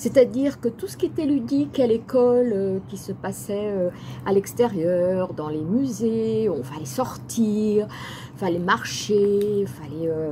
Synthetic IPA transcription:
sɛt̪ad̪iʁkət̪usə̥kʲiet̪ɛlyd̪ikalekɔløkʲisəpasɛøalɛkst̪ɛʁjœʁd̪ɑ̃lemyzeɔ̃falɛsɔʁt̪ʰiːʁ | ifalɛmaʁʃeilfalɛø

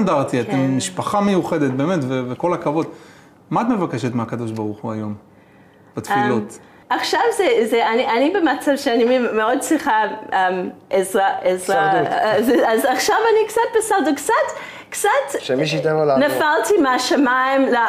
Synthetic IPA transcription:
ndaʁt̪iatemːiʃpaχamejuχed̪et̪̚beːmetveveko̞lakavo̞d̪ | maat̪me̞vakeʃet̪meakad̪o̞ʃbaʁuχuajo̞m | b̥at̪filot̪ | aχʃavzezeaniʔanibemat͡savʃeanimmeo̞d̪̚t͡sʁiχaemʔezʁaʔezʁazeazaχʃavanikt͡sat̪̚basalt̪ukt͡sat̪ | kt͡sat̪ʃemiʃ̬t̪emalanafalt̪imeaʃamaimla

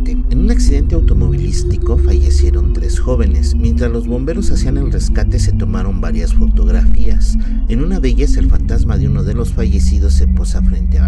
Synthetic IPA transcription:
eenũnaksiðe̞nt̪e̞awt̪o̞mo̞β̞ilist̪iko̞faʝe̞sje̞ɾo̞nt̪ɾe̞sxo̞βe̞ne̞smje̞nt̪ɾazlo̞zβo̞mbe̞ɾo̞sasiane̞lre̞skat̪ese̞t̪o̞maɾo̞mbaɾjasfo̞t̪o̞ɣɾafias | enunaðe̞ʝase̞lfant̪azmaðeunoðe̞lo̞sfaʝe̞sið̞o̞sːeposafɾe̞nt̪ea

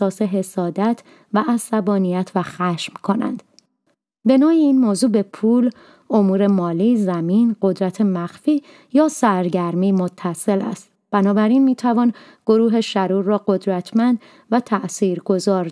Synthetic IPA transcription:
ɒːse̞ɦe̞sɒːd̪æt̪ʰ | væʔæsæbɒːnijæt̪ʰvæxæʃmkʰo̞næ̰nd̪̥ | be̞nɔːiiːnmoːzuːbe̞pʰuːl | o̞muːɾe̞mɒːliːzæmiːnɢo̞d̪ɾæt̪ʰemæxfiː | jɒːsæɾɟæɾmiːmo̞t̪ʰːæse̞læ̰st̪̚ | b̥ænɒːbæɾinmiːt̪ʰævɒːn | ɡ̥o̞ɾuːɦe̞ʃæɾuːɾːɒːɢo̞d̪ɾæt̪ʰmænd̪ | væt̪ʰæʔsiːɾɡo̞zɒːɾ

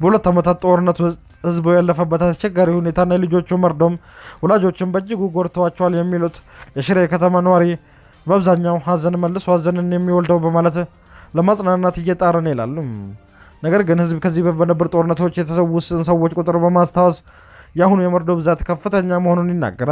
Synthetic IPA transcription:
bəhulət̪ːamət̪ʰat̪t̪ʼo̞ɾɨnːət̪wʊst̪ʼhɨzbojalːəfəbːət̪ast͡ʃːɛɡaɾihune̞t̪ʰanːajɛlɨd͡ʒo̞t͡ʃːuməɾd̪o̞mhulad͡ʒo̞t͡ʃːɪmbəd͡ʒːɪɡuɡo̞ɾt̪ʰəwat͡ʃːɛwaljɛmːilut̪jɛʃɪɾejɛkʰət̪ʰəmanəwaɾi | bəaβzaɲːawɦazənməlːɨshazənɨnjɛmːiwɔld̪əwbəmalət̪ | ləmasʼnannːat̪ɨɪjːɛt̪ʼaɾənjɛla̰lːum | nəɡəɾɡɨnhɨzbkʰəzːihbəbənəbːəɾt̪ʼo̞ɾɨnːət̪o̞t͡ʃːjɛt̪ʰəsəwːʊsɨnsəwːot͡ʃːkʼʊt̪ʼɾobəmast̪ʰawɔs | jahunujɛməɾd̪obɨzat̪kʰəfːɨt̪ʰəɲːaməho̞nunjɪnːa̰ɡːəɾa

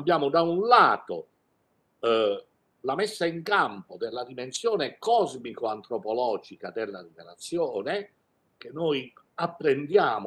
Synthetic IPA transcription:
bːjaːmʊd̪aunlaːt̪o̰ | lamesːaiŋkampod̪elːad̪imensjoːnekɔzmikoant̪ɾopɔlɔːd͡ʒikad̪elːad̪ineɾat̪sːjɔːne | k̟enːoj | apːɾend̪jaːm

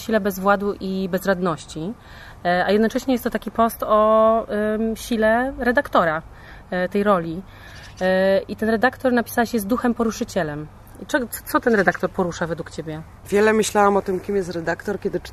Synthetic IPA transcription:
ɕilɛbɛzvwad̪uʔibɛzɾad̪nɔɕt͡ɕi | ajɛd̪nɔt͡ʂɛɕɲɛjɛst̪t̪ɔt̪akʲipɔst̪ɔ | ɕilɛɾɛd̪akt̪ɔɾa | t̪ɛjɾɔlʲi | it̪ɛnɾɛd̪akt̪ɔɾnapʲi̥sawɛɕjɛzd̪uxɛmpɔɾuʂɘt͡ɕɛlɛm | t͡ʂɛɡɔɔ̥t̪sɔt̪ɛnɾɛd̪akt̪ɔɾpɔɾuʂavɛd̪wukt͡ɕebʲjɛ | vʲjɛlɛmɘɕlawamɔt̪ɘmkʲimjɛst̪ɾɛd̪akt̪ɔɾkʲɛd̪ɘt͡ʂ

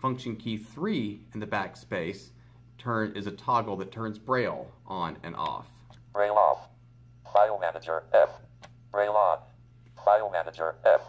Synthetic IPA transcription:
fʌ̃ŋkʃɨ̃nkʰiθɹiɨ̃nðɨbækspeɪs | tʰɜ̃˞nɪzɨtʰɑɡl̩ˠðɨtʰɜ̃˞nzbɹeɪlˠʔə̃nɨ̰̃nʔɔ̰f | b̥ɹeɪlˠɔ̰f | v̥amænɨd͡ʒə˞ɛ | b̥ɹeɪlˠɔn | v̥amænɨd͡ʒə̰˞

